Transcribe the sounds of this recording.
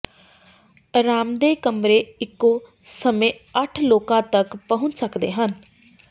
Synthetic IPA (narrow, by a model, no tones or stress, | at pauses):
ɾaːmd̪eːkəmɾeːɪkːõː | səmẽːəʈʰloːkãːt̪əkpəɦʊ̃nt͡ʃsəkd̪ḛːɦən